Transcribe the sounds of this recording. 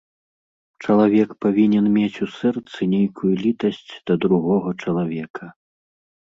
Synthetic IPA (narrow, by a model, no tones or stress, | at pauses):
t͡ʂɐlˠavʲɛkpavʲinʲɛnmʲet͡sʲusɛrt̪sɨnʲejkʰujulʲit̪ɐsʲt͡sʲd̪̥ɐd̪ɾuɣɔɣɐt͡ʂɐlˠavʲɛkʰɐ